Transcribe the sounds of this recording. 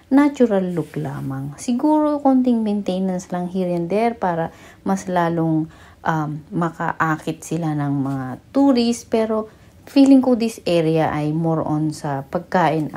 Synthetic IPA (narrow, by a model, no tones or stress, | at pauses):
nat͡ʃʊɾɐlːʊkla̰ːmɐŋsɪɡuːɾokont̪ɪŋmɛnt̪ɛjnɐnslɐŋhiɹɐnd̪ɛɾpaːɾɐ | mɐslaːloŋ | ʔɐmmɐkɐ̰ʔaːkɪt̪̚sɪlanɐŋmɐŋat̪uːɾɪspɛːɾo̞ | fiːlɪŋkod̪isʔɛɾɪjɐʔɐjmoɹʔonsɐpɐɡ̚kaːʔɪn